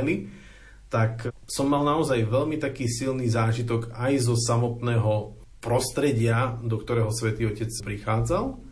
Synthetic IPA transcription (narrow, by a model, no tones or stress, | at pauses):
li | t̪aksɔmːalnaɔzajʋɛʎmit̪akiːsilniːzaːʒit̪̬ɔkajzɔsamɔt̪nɛːɦɔ | pɾɔst̪ɾɛɟɪad̪ɔkt̪ɔɾɛːɦɔsʋɛt̪iːɔcɛt͡spɾixaːd͡zalˠ